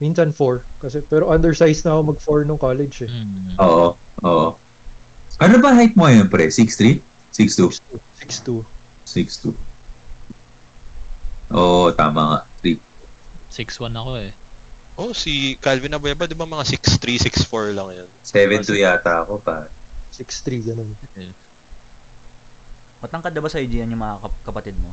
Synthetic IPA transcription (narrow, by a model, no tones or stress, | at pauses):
minsɐnfoɹkɐsɛpɛːɾoʔɐnd̪ɛɹsajsnɐɐkomɐɡ̚foɹnʊŋkaːlɛd͡ʒɛʔoːʔoʔoːʔo | ʔɐnobɐŋɦajt̪̚moɐjonpɾɛsikst̪ɾi | sikst̪uusikst̪u | sikst̪u | ʔoːʔt̪a̰ːmɐŋa̰ʔt̪ɾit̪̚sɪkswanɐkoɛʔo̞sikalvɪnɐbojabɐd̪ɪbamɐŋasɪkst̪ɾisiksfoɹlɐŋjonsɛvɛnt̪ʊjaːt̪ɐɐko̞pasikst̪ɾiɡɐnonɛ | mɐt̪ɐŋkɐt̪d̪ːɐbasɐɐjd͡ʒ̪iɐnʊŋmɐŋakɐkɐpɐt̪ɪd̪̚mo